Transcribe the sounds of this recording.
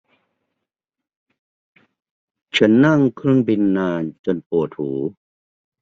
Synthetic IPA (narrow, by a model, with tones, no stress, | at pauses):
t͡ɕʰa˦˥nːa˥˩ŋkʰɾɯ˥˩əŋbi˧nːaː˧nt͡ɕo˧npu˨˩ət̪̚huː˩˦